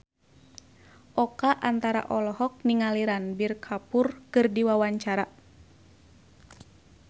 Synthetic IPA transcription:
ʔɔkaʔant̪aɾa̰ʔɔlɔɦɔk̚niŋaliɾanbirkʰapurkɨrdiwawaɲt͡ʃaɾa

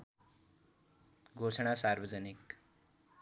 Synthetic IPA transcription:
ɡʱoʂɳ̃asaɾʋəd͡zənik

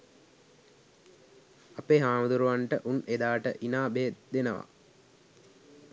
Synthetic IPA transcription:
apeːɦaːmud̪uɾuʋaɳʈəʔuned̪aːʈəʔinaːbeːd̪enəʋa̰

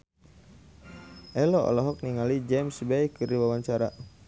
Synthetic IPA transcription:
ʔɛlɔɔ̰lɔɦɔk̚niŋalid͡ʒɛmsbɛikːɨɾiwawaɲt͡ʃaɾa̰

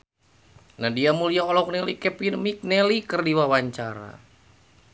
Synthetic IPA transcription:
nahdiamuliaɔlɔk̚nɛlikɛpinmik̚nɛlikərdiwawaɲt͡ʃaɾa̰

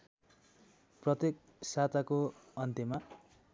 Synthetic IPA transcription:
prʌt̪ek̚ | sat̪akoʌnt̪ema

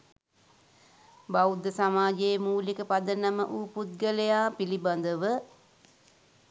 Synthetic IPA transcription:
bawd̪əsamaːd͡ʒeːmuːlikəpad̪ənəmə̰ʔuːput̪̚ɡələjaːpiliband̪əʋə

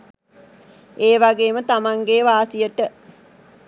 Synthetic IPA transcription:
eːʋaɡeːmət̪amaŋɡeʋaːsijəʈə

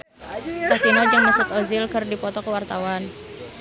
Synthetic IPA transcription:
kasinod͡ʒəŋməsʊt̪ozɪlkərdipɔt̪ɔkəwart̪awan

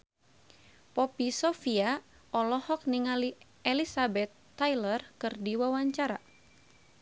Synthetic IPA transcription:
pɔpisɔfia | ɔlɔhɔk̚niŋali | ʔɛlisabɛt̪ːajlərkɨrdiwawaɲt͡ʃaɾa̰

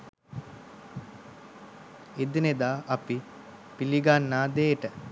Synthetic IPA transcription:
ed̪ined̪aːʔɐpi | piliɡanːaːd̪eːʈə

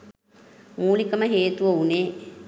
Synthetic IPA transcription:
muːlikəməɦeːt̪uʋəuneː

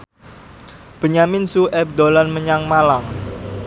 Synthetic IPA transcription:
b̥ə̤ɲamɪnsuʔɛb̚d̪olanməɲaŋmalaŋ

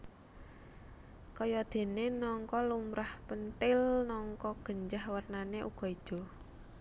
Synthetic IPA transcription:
kɔjɔd̪̥e̤nenɔŋkɔlumɾahpənt̪ɪlnɔŋkɔɡ̥ə̤ɲd͡ʒahwərnaneʔuɡ̥ɔ̤id̥ʒ̥ɔ̤

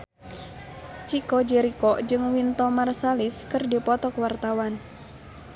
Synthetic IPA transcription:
t͡ʃikɔd͡ʒɛɾikɔd͡ʒɨŋwint̪ɔmarsaliskɨrdipɔt̪ɔkwart̪awan

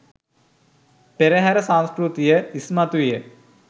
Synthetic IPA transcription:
peɾɐɦaɾɐsãnskɾut̪ijəismɐt̪ʋijə

